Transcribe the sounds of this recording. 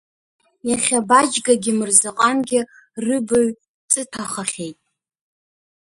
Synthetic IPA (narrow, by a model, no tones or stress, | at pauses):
jaχʲabad͡ʒɡaɡʲɪmɨrzaqʼamɡʲɪ | rɨbaɥ | t͡sʼɨtʰaχaχʲe̞jtʼ